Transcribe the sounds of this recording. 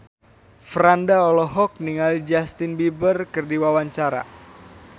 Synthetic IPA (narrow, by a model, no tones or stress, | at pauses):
fɾandaɔlɔɦɔk̚niŋalid͡ʒast̪ɪnbibərkərdiwawaɲt͡ʃaɾa̰